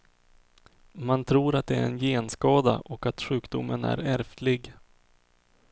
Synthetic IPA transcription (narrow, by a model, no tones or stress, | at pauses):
mant̪ʰɾuːɾat̪̚d̪ɛæɾɛnjeːnskɑːd̪a̰ʔɔkat̪ɧʉ̟ːkd̪ʊmːənæ̰ɾæɾft̪lɪɡ